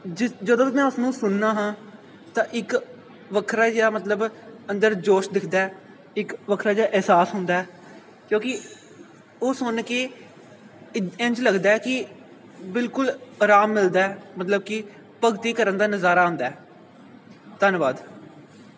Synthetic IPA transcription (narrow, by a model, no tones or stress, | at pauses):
ɪd͡ʒəd̪õːimɛ̃ːʊsnũːsʊnːãːɦãː | t̪ãːʔɪk | ʋəkʰɾaːd͡ʒeːaːmət̪ləbənd̪əɾd͡ʒoːʃd̪ɪkʰd̪aːɛː | ɪkʋəkʰɾaːd͡ʒaːʔɛɦsaːsɦʊnd̪aːɛː | kjõːkɪ | oːsʊnkeː | ɪnt͡ʃləɡd̪aːɛːkɪ | bɪlkʊlɾaːmːɪld̪aːɛːmət̪ləb̚kɪ | pəɡt̪iːkəɾənd̪aːnəzaːɾaːɦʊ̃nd̪aːɛː | t̪ənʋaːd̪